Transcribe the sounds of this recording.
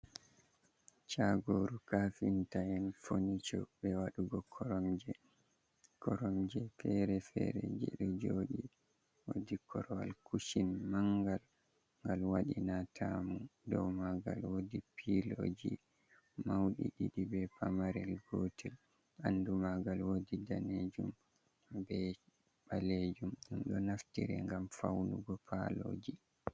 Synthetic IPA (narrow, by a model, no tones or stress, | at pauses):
t͡ʃaɡoɾukafintajɛnfonit͡ʃɔbɛwaɗuɡɔkʰɔɾɔmd͡ʒɛ | kɔɾɔmd͡ʒɛfɛɾɛfɛ̰ɾɛ̰d͡ʒɛ̰ɗɔd͡ʒoɗi | wodikʰɔɾɔwa̰lkuʃinmaŋɡal | ŋɡalwaɗinatʰamudɔwmaɡa̰lwodipʰiloːd͡ʒi | mawɗiɗiɗibɛpamaɾɛlɡotʰɛl | andumaɡalwodidaned͡ʒum | bɛ | baled͡ʒumɗumɗɔnaftiɾɛ̰ŋɡamfawnuɡɔpʰalod͡ʒi